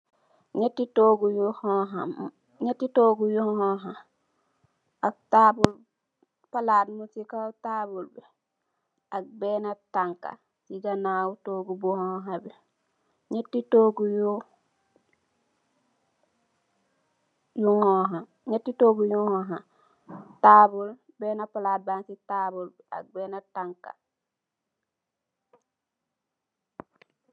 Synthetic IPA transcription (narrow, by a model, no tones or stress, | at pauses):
ɲetːitoːɡujuhoɦam | ɲetːitoːɡujuhoɦa | aktabul | palaːdmutikautabulbi | ak̚benataŋka̰ | tiɡanaːwutoːɡubuhõɦabi | ɲetːitoːɡuju | juŋoɦa | ɲetːitoːɡujuhõɦa | tabul | beːnapalabansitaːbulbia̰ɡ̚beːnataŋka̰